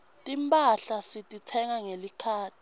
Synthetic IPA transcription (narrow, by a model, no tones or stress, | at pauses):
tʼimpʼaɬasitʼitʰɛŋaŋelikʰaːtʰʼi̥